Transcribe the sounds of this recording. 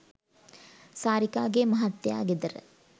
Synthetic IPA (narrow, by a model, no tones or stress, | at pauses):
saːɾikaːɡemɐɦɐt̪ːjɐa̰ːɡid̪ɐɾ